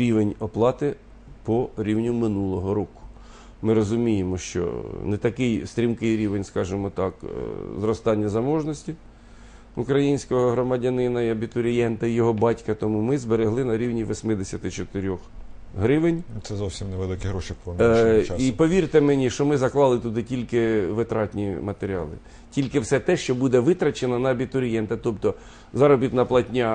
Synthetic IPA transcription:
ɾʲiʋenʲɔplˠɑt̪ɪ | pɔɾʲiwnʲʊmɪnulˠɔɦɔɾɔkʊ̥ | mɪɾɔzʊmʲijemɔʃt͡ʃɔ̰nɛt̪ɐkɪjst̪ʲɾʲimkɪjɾʲiʋenʲskɑʒɪmɔt̪ɑkzrɔst̪ɑnʲːɐzɐmɔʒnɔsʲtʲi | ukɾɐjinʲsʲkɔɦɔɦɾɔmɐdʲɐnɪnɐiɐbʲit̪ʊɾʲɪjɛnt̪ɐijɔɦɔbɑtʲkɐt̪ɔmumɪzbeɾeɦlˠɪnɐɾʲiwnʲiʋɔsʲmɪd̪esʲɐt̪ɪt͡ʃɔt̪ɪɾʲɔx | ɦɾɪʋɪnʲt̪sɛzɔwsʲimnɛʋelˠɪkʲɪɦɾɔʃipɔnipɔʋʲirt̪ɪmenʲiʃt͡ʃɔmɪzɐklˠɑlˠɪt̪ʊd̪ɪtʲilʲkɪʋɪt̪ɾɑtʲnʲimɐt̪eɾʲiɑ̰lˠɪ̰ | tʲilʲkɪwsɛt̪ɛʃt͡ʃɔbud̪ɛʋɪt̪ɾɐt͡ʃenɐnɐɐbʲit̪ʊɾʲijɛnt̪ɐt̪ɔpt̪ɔ | zɑɾɔbʲit̪nɐplˠɐtʲnʲɑ

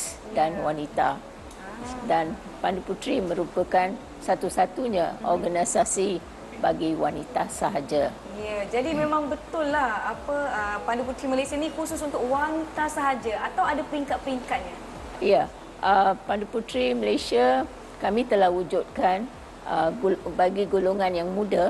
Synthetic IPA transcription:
danwanit̪a | dan | panduput̪ɾimə̃ɾupəkan | sat̪usat̪uɲaɔ̰rɡanasasi | baɡiwa̰nit̪asaɦad͡ʒa | jad͡ʒadimemãŋbət̪ʊlːahapəəpanduput̪ɾiməlasianikusʊsunt̪ʊk̚wanit̪asaɦad͡ʒaat̪awadapəɾiŋkat̪̚pəɾiŋkat̪̚ɲa | ja | ʔəpanduput̪ɾiməlasia | kamĩt̪əlahud͡ʒut̪̚kan | əbaɡiɡoloŋãnjaŋmũda

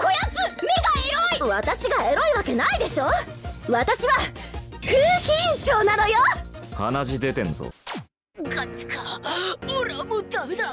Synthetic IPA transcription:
ko̞jat͡sɨmeɡaeɾo̞iβat̪aɕiɡae̞ɾo̞iβake̞naid̪e̞ɕo̞ː | βat̪aɕiβaɸɯːçʲĩɲɕo̞ːnano̞joha̰naʑid̪e̞t̪ẽ̞̰nso̰ | kat͡sɨ̥kʰḁoɾemod̪amed̪a

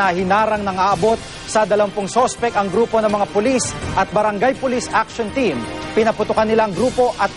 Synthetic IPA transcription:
ɐhɪnaːɾɐŋnɐŋaːʔɐbo̞t̪̚ | sɐd̪ɐlɐmpoŋsospɛkɐŋɡɾuːpo̞nɐŋmɐŋapʊlisʔɐt̪̚bɐɾɐŋɡajpʊlisʔak̚ʃont̪impɪnɐpʊt̪ʊkɐanːɪlaʔɐŋɡɾuːpo̞ʔɐt̪̚

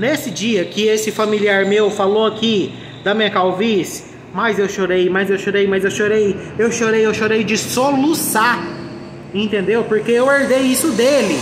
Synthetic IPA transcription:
nesɪd͡ʒiɐkɪesɪfamiliaɾmewfaloaki | d̪ɐmĩɲɐkawvis | mɐzewʃoɾejmɐjzewʃoɾejmɐzewʃoɾejewʃoɾejewʃoɾejd͡ʒɪsɔlusa | ẽnt̪ẽnd̪ewpoɾkeeweɾd̪ejisʊd̪elɪ

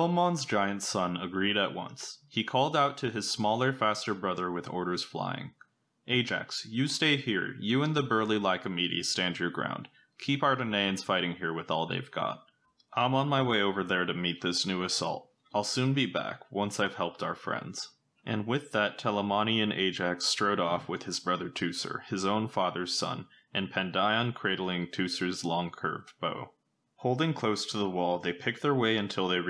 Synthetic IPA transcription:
ɛlˠmɑ̃nzd͡ʒaɪɨ̃ntsʌ̃nəɡɹiɾɨʔ̚wʌ̰̃nshikʰɔlˠdaʊtʰɨɨz̥smɔlˠə˞fæstə˞bɹʌðə˞wɨðɔ̰ɹɾə˞z̥fla̰ɪɪ̰̃ŋ | ʔeɪd͡ʒæ̰ksjɨsteɪhiɹjɨɨ̃nðɨbɜ˞lˠilaɪkɨmiɾḭstæ̃nd͡ʒə˞ɡɹã̰ʊ̃nd̥ | kʰipaʊə˞ɾɨneɪɨ̃nz̥faɪɾɪ̃ŋhiɹwɨðɔlˠðḛɪvɡɑ̰t̚ | ʔãɪ̃mə̃nmaɪweɪoʊvə˞ðə˞ɾɨmit̪̚ðɪsnʉɨsɔ̰lˠt̚ | aɪlˠsʉ̃nbibæ̰kwʌ̃nsaɪv̥hɛlˠp̚tʰaʊə˞fɹɛ̰̃ndz̥ | ʔɨ̃nwɪðɨtʰɛlˠəmɑñiɨ̃nʔḛɪd͡ʒækstɹ̥oʊɾɔfwɨð̥ɨzbɹʌðə˞tʰʉsə̰˞ɨzõʊ̃nfɑðə˞z̥sʌ̰̃n | ʔɨ̃npʰɛ̃ndaɪə̃nkʰɹ̥eɪɾl̩ˠɪ̃ŋtʰʉsə˞zlɔ̃ŋkʰɜ̰˞vb̥oʊ | hoʊlˠdɪ̃ŋkʰl̥oʊstʰəðəwɔlˠðeɪpʰɪk̚ðə˞weɪɨ̃ntʰɪlˠðeɪɹ

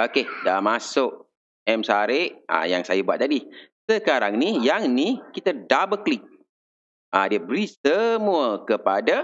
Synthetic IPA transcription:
okedamasʊk̚ | ɛmsaɾeʔa̰ja̰ŋsajabuat̪̚t̪adisəkaɾaŋnijaŋnikit̪ədabəklik̚ | adiəbəɾisəmuəkəpada

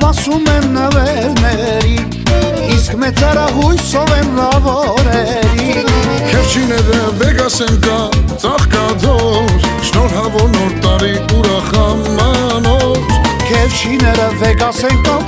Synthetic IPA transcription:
pɑsumɛmnəvɛɾnɛ | ɾi | iskmɛt͡sɛɾɑɦujsɔvɛnrɑvɔ | ɾɛ | ɾi | kʰɛft͡ʃʰinɛɾəvɛɡɑsɛŋkɑ | t͡sɑχkɑd̪ɔɾʃnɔɾɦɑvɔɾnɔɾt̪ɑɾiuɾɑχə | mɑ | mɔɾt̪ʰkʰɛfʃʰinɛɾəvɛɡɑsɛŋkɑ

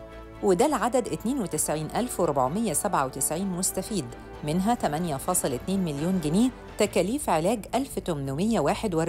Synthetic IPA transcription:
wɪd̪ælʕad̪æd̪ʔɪt̪neːnwet̪ɪsʕiːnʔælfwɪɾʊbʕmɪjːæsæbʕawet̪ɪsʕiːnmʊst̪æfiːd̪ | mɪnɦæt̪æmænjæfɑːsˤɨlʔɪt̪neːnmɪljuːnɡɪnieː | t̪ækæːliːfʕelæːɡʔælft̪ʊmnʊmɪjːæwaːħed̪wɑˤ

